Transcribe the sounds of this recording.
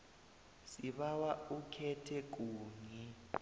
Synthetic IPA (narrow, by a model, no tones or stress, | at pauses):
siɓawaukʰɛtʰɛk̬uːɲi